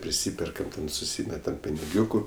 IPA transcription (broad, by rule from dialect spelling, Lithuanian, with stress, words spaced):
pʲrʲɪˈsʲiːpʲɛrkɐm tʲɛn sʊˈsʲiːmʲɛtɐm pʲɪnʲɪˈɡʲuːkʊ